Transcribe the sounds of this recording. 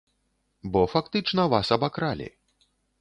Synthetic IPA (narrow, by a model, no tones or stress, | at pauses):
bɔfakt̪ɨt͡ʂnɐvasɐbakɾalʲḭ